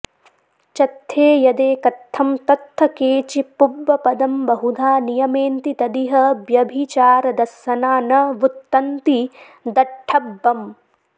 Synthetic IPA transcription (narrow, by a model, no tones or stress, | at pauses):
t͡ʃɐt̪ʰːeːjɐd̪eːkɐt̪ʰːɐmt̪ɐt̪ːɐkeːt͡ʃipubːɐpɐd̪ɐmbɐɦud̪ʱaːnijɐmeːnt̪it̪ɐd̪iɦɐbjɐbʱit͡ʃaːɾɐd̪ɐsːɐnaːnɐʋut̪ːɐnt̪i | d̪ɐʈʰɐbːɐm